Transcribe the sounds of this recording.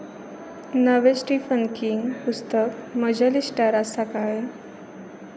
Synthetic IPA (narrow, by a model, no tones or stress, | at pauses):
nəʋesʈifənkiŋɡpust̪əkməd͡ʑalisʈaɾasakaje